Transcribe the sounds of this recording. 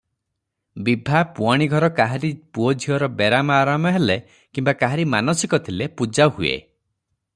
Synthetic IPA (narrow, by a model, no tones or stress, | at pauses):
bibʱapuaɽ̃iɡʱɔɾɔkaɦaɾipuɔd͡ʒʱiɔɾɔbeɾamɔaːɾamɔɦele | kimbakaɦaɾimanɔsikɔt̪ʰilepud͡ʒahuḛ